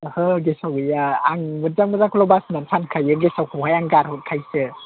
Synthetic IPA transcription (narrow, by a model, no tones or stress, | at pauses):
hɯɡesawɯjaaŋmɯzaŋmɯzakʰɔlɔbasnansʰankʰajɯɡesawkʰɯwɦajaŋɡaɾhɔt̚kʰajsɯ